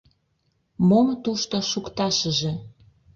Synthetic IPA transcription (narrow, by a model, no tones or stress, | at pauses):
momt̪uʃt̪oʃukt̪ɑʃəʒĕ